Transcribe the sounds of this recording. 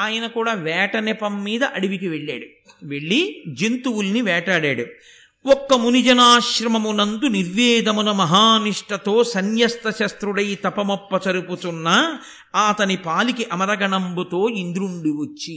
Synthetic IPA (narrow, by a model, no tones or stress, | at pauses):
aːjɐnɐkuːɽaːʋɛːʈɐnɛpɐmːiːd̪ɐʔɐɽiʋikiʋe̞ɭːa̰ːɽu | ʋe̞ɭːid͡ʒint̪uwulniʋɛːʈaːɽa̰ːɽu | ɔkːɐmunid͡ʒɐnaːʃɾɐmɐmunɐnd̪uniɾʋɛːd̪ɐmunɐmɐɦaːniʂʈɐt̪o̞ːsɐnjɐst̪ɐʃɐst̪ɾuɽɐjt̪ɐpɐmɐpːɐt͡ʃɐɾuput̪unːɐ | aːt̪ɐnipaːlikiʔɐmɐɾɐɡɐɳɐmbut̪o̞ːind̪ɾuɳɖiʋɐt͡ʃːi